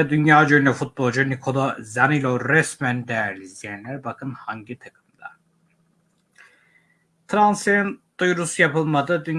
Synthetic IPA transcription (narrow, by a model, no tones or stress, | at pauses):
ɛd̪ynjaːd͡ʒønɛfut̪̚bolˠd͡ʒunikʰolˠozanilʲoɾɛsmænd̪ejæɾlʲizjænlʲæɾbakʰɯnhaɲɟit̪ʰakʰɯ̥md̪̥a | t̪ʰɾanseɾind̪̥ujɾusujapɯlˠmad̪ɯd̪yn